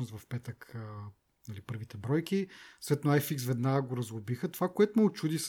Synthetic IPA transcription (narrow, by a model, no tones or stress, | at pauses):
nost̪vɐfpɛt̪əkə | nɐlipɤɾvit̪ɛbɾɔjkʲisvɛt̪noajfiksvɛd̪naɡəɡoɾɐzlˠobixət̪ovakoɛt̪ʊmɛʊt͡ʃud̪is